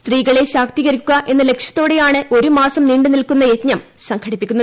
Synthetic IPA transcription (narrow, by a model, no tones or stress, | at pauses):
st̪riːɣɐɭe̞ɕaːk̚t̪iɣɐɾikʲːuɣɐʔe̞nːɐle̞kʂjɐt̪ːo̞ːɽe̞jaːɳɨʔo̞ɾumaːsɐmniːɳɖɨnilkunːɐje̞t̪ɲɐm | sɐŋkʰɐɽipːikʲːunːɐðɨ